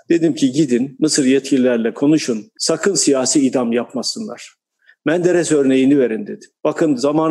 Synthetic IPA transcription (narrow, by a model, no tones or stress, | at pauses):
d̪̥e̞d̪imcʰiɟid̪inːɯsɯɾjɛt̪cʰilʲilʲæɾlʲɛkʰo̞nuʃunsakʰɯnsijaːsiːd̪amjapmasɯnlˠa̰ɾ̥ | bænd̪eɾɛsøɾne̞jinive̞ɾind̪ed̪imb̥akʰɯnzamaːn